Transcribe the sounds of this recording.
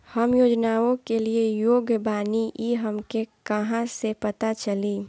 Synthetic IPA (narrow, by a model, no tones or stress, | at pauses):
həmjoːd͡ʒnaːõkeliejoːɡbaːniʔiɦəmkekəɦãsepət̪at͡ʃəliː